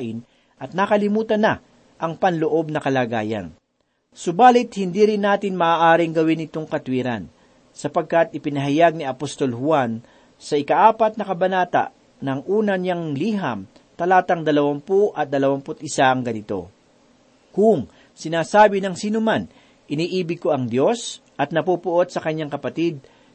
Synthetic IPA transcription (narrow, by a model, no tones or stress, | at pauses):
ʔɪn | ʔɐt̪̚nakɐlɪmuːt̪ɐnɐ | ʔɐŋpɐnloʔo̞b̚nɐkɐlaːɡaːjɐ̰n | sʊbaːlɪt̪̚hɪnd̪iːɾɪnːaːt̪ɪnmɐʔːʔaːɾɪŋɡɐwɪnɪt̪o̞ŋkɐt̪wiːɾa̰n | sɐpɐɡ̚kɐt̪̚ɪpɪnɐɦɐjaɡ̚niɐpost̪o̞lhʊwan | sɐʔɪkɐʔaːpɐt̪̚nɐkɐbɐnaːt̪a̰ʔ | nɐŋʔuːnɐɲaŋliːɦɐm | t̪ɐlaːt̪ɐŋd̪ɐlɐwampuʔɐt̪̚d̪ɐlɐwampʊt̪ʔɪsaʔɐŋɡɐnɪt̪o̞̰ | kʊŋ | sɪnaːsaːbɪnɐŋsiːnʊman | ʔɪniːʔiːbɪɡ̚ko̞ʔɐŋd̪jo̞sʔɐt̪̚nɐpupʊʔo̞d̪̚sɐkɐɲːaŋkɐpɐt̪id̪̚